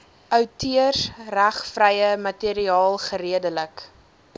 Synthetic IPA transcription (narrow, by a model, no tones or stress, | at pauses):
ʔœwtʰyərsræχfrəjəmɐtiəɾiɑːlˠχəɾiədələk